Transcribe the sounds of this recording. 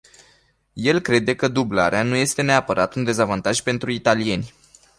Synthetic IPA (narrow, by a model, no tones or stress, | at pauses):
je̞lkɾe̞d̪e̞kəd̪ubla̰ɾeanuje̞st̪e̞ne̞apəɾʔat̪und̪e̞zavant̪aʒpe̞nt̪ɾuit̪alie̞nʲ